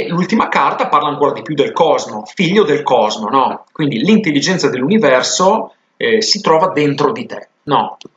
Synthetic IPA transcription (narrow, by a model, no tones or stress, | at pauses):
lult̪imakart̪aparlaŋkoːɾad̪ipjud̪ːelkɔzmofiʎːod̪elkɔzmonɔkwind̪ilint̪elːid͡ʒɛnt̪sad̪elːunivɛrso | sit̪ɾɔːvad̪ent̪ɾod̪it̪e | nɔ